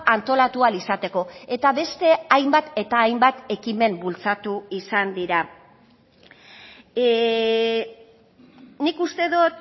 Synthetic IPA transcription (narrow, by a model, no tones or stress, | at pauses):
ant̪o̞lat̪ualisat̪e̞ko̞e̞t̪aβe̞st̪e̞ajmbat̪e̞t̪aːjmbat̪e̞kime̞mbult͡sat̪uisand̪iɾa | nikust̪e̞ðot̪